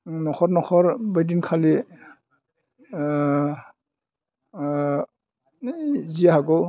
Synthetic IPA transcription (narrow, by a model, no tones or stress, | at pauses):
nɔxʰɔtnɔxɔɾbajdinkʰali | ziaɦaɡɔ